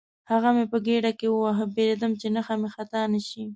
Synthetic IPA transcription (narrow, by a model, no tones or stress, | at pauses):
haɣamepəɡeɖakewəwaɦəbelad̪əmt͡ʃenaxamexat̪anəʃi